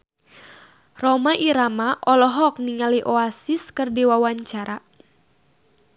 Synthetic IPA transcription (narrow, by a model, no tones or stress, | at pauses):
rɔmaʔiɾamaʔɔlɔɦɔk̚niŋaliʔoasiskɨrdiwawaɲt͡ʃaɾa